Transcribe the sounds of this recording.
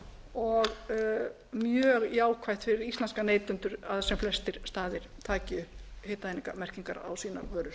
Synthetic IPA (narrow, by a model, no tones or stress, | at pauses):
ɔɣ | mjœːɣjaːwkʰvajht̪fɪɾɪɾist̪lɛnskaneːjt̪ʏnt̪ʏɾaθasɛmflɛst̪ɪɾ̥st̪aːðɪɾ̥t̪ʰaːcɪʏheːt̪aeːniŋkamɛr̥ciŋkaɾa̰wsiːna̰vœːɾʏɾ